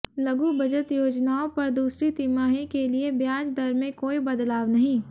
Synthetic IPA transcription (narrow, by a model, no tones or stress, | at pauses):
lɐɡubɐd͡ʒət̪joːd͡ʒnaːõpɐɾd̪uːsɾit̪imaːɦẽkeliebjaːd͡ʒd̪ɐɾmẽkoːibɐd̪laːʋnɐɦĩː